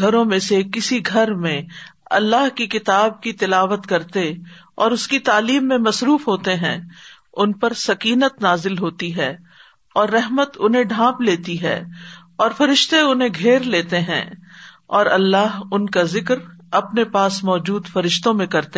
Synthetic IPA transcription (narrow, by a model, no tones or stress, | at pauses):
ɡʱɐɾõmẽsekɪsiɡʱɐɾmẽɐ̰lːaɦkikɪt̪aːb̚kit̪ɪlaːʋət̪kɐɾt̪e | ɔːɾʊskit̪aːliːmːẽmɐsɾuːfɦoːt̪eɦɛ̰̃ | ʊnpɐɾsɐkiːnət̪naːzɪlɦoːt̪iɦɛː | ɔːɾːɛɦmət̪ʊnɦẽɖʱãːpleːt̪iɦɛ̰ː | ɔːɾfɐɾɪʃt̪eʊnɦẽɡʱeːɾleːt̪eɦɛ̰̃ː | ɔːɾɐlːaːɦʊnkazɪkɾ | ɐpnepaːsmɔːd͡ʒuːd̪fɐɾɪʃt̪õmẽkɐɾt̪e